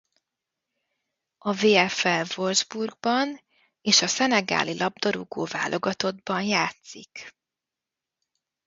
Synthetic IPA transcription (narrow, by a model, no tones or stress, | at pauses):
ɒveːɛfɛlvo̞lzburɡ̚bɒn | eːʃɒsɛnɛɡa̰ːlilʔɒb̚d̪ɒɾuɡoːva̰ːlʔo̞ɡɒt̪o̞d̪bɒnjaːt̪sik